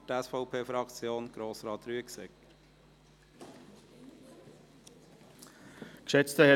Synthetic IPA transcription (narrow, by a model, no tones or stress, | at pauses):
tɛsfɔʊpʰeːfɾɑkt͡sjoːnɡ̥ɾoːsɾɑːt̪ɾyəksɛk | kʃɛt͡st̪əhɛ